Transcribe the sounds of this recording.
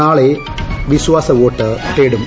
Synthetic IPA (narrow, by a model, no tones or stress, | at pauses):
aːɭe | ʋiɕʋaːsɐʋoːʈːɨʈːeːɽum